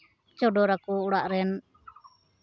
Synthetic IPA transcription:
t͡ʃɔɖɔɾakuːɽaʔɾɛn

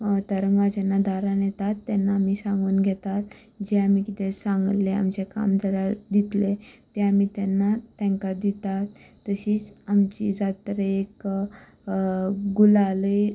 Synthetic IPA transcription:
t̪əɾəŋɡad͡ʑɛnːad̪ʱaɾãnjɛt̪at̪ːɛnːaːmiːsãŋɡuːnɡʱɛt̪at̪ | d͡ʑeamikit̪esãŋɡllea̰mt͡ɕeka̰md͡z̪ʱəɽad̪it̪let̪eamiːt̪ɛnːat̪ɛ̃ŋkad̪it̪at̪ː | əɕiːt͡samt͡ɕḭd͡zat̪əɾəek | ɡulaləj

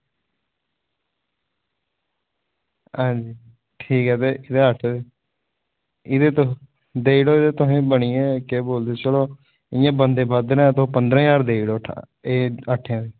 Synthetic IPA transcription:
hãːd͡ʒiː | ʈʰiːkɦɛːt̪eːʔɪd̪eːəʈ̪ʰe | ɪd̪eːt̪ | d̪eːiɽoːɪd̪eːt̪ʊɦẽːbəɽiːɛ̃ːkeːboːld̪eːt͡ʃəloː | ɪjãːbənd̪eːbad̪nɛ̃ːt̪õːpənd̪ɾãːjaːɾd̪eːiɽoːʈʰa̰ | eːəʈʰjãːd̪eː

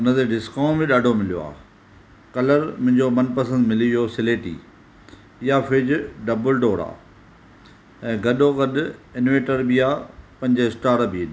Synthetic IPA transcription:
ʊnət̪eɖɪskãːbɪ̃ɗaːɖʱomɪlijo̰a̰ː | kɐləɾmʊ̃ɦɪ̃ɲd͡ʑomɐnpɐs̬ə̃nd̪mɪliijosɪleːʈḭː | ɪjafɪd͡ʑɖɐbəlɖoːɽa̰ː | ɛ̃ːɡɐɗoɡɐɗɪnʋeːʈəɾbiaːpɐ̃ɦɪ̃ɲd͡ʑɪsʈaːɾbʱin

